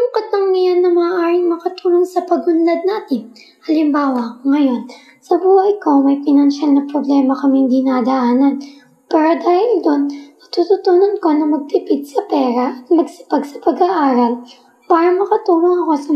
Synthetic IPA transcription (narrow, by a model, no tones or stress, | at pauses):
sʊmkɐt̪̚lɐŋnɐjanːɐmɐaːʔaːɾɪŋmɐkɐt̪uːloŋsɐpɐɡʔʊnlɐd̪̚naːt̪ɪn | hɐlɪmbaːwɐŋɐjo̞n | sɐbuːhɐʔjko̞mɐjpɪnɐnʃalnɐpɾoblɛmɐkɐmiŋd̪ɪnad̪ɐʔaːnɐn | pɛːɾɐd̪aːhɪld̪o̞nːɐt̪ut̪ut̪unonko̞nɐmɐɡ̚t̪ɪpɪd̪̚sɐpɛːɾɐʔɐt̪mɐɡsɐ̥pɐɡsɐpɐɡaʔaːɾɐl | paːɾɐmɐkɐt̪uːloŋɐko̞sɐ